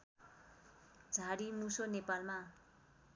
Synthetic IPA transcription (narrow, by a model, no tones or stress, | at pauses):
d͡zʱaɽimusonepalma